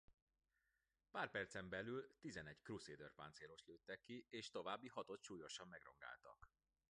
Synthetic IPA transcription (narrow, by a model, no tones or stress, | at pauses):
paːrpɛrt̪sɛmbɛlylt̪izɛnɛckruseːd̪ørpa̰ːnseːɾo̞ʃt̪løːt̪ːɛkːieːʃt̪o̞vaːbːiɦɒt̪o̞t̪ʃuːjo̞ʃɒmːɛɡro̞̰ŋɡa̰ːlt̪ɒ̰k